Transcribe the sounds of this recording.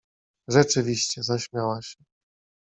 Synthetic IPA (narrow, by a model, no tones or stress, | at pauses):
ʐɛt͡ʂɘvʲiɕt͡ɕɛzaɕmʲjawaɕɛ